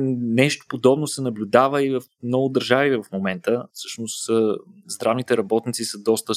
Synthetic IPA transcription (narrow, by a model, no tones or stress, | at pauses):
nɛʃt̪o̥pod̪ɔbnosɛnɐblʲʊd̪avəivəfmnɔɡʊd̪əɾʒavivɐfmomɛnt̪əfsɤ̥ʃnʊszd̪ɾavnit̪ɛɾɐbɔt̪nit̪sisəd̪ɔst̪ə